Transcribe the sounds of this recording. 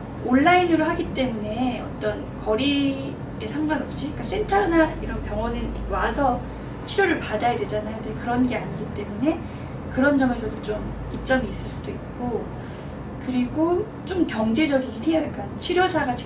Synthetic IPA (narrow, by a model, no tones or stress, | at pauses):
oɭːainɯɾoɦaɡit͈e̞mune̞ʌ̰t͈ʌn | kʌɾi | esʰaŋɡwanʌp̚ɕ͈ik͈as͈e̞ntʰanaiɾʌnpjʌŋʌnɯn | wasʰʌ | t͡ɕʰiɾjoɾɯɭpadajadwe̞d͡ʑanajadeokɯɾʌnɡe̞aɲiɡit͈e̞mune̞ | kɯɾʌnd͡ʑʌme̞sʰʌdot͡ɕom | ip̚t͡ɕ͈ʌmiːs͈ɯɭs͈ud̥oik̚k͈o | kɯɾiɡo | t͡ɕ͈omkjʌŋd͡ʑe̞d͡ʑʌɡiɡitʰejʌik͈at͡ɕʰiɾjosʰaɡat͡ɕʰ